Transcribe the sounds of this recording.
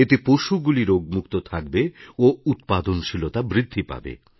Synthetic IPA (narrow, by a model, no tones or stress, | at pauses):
et̪epoʃuɡuliɾoɡ̚mukt̪ot̪ʰak̚beout̪̚pad̪onʃilot̪abɾid̪ʱːipa̰bḛ